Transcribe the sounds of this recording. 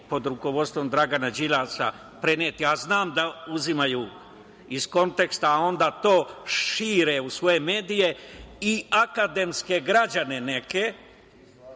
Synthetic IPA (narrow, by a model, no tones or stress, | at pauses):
po̞d̪ɾuko̞ʋo̞d̪st̪ʋo̞md̪ɾaɡanad͡ʒiʎaːsa̰ | pɾeneːt̪iaznaːmd̪auzimaju | izko̞nt̪e̞kst̪aːo̞nd̪aːt̪o̞ːʃiːɾe̞usʋo̞je̞me̞ːd̪ije̞iakad̪e̞mske̞ɡɾad͡ʒane̞ne̞ke̞